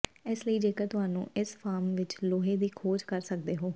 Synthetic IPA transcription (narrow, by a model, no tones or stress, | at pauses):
ɪsləiːd͡ʒeːkəɾt̪ʊɦaːnṵ̃ːʔɪspʰaːɾmʋɪt͡ʃloːɦeːd̪iːkʰoːd͡ʒkəɾsək̚d̪eːɦoː